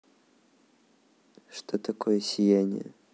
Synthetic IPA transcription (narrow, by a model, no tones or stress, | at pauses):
ʂt̪ot̪ɐkojəsʲɪjanʲɪ̰jə̰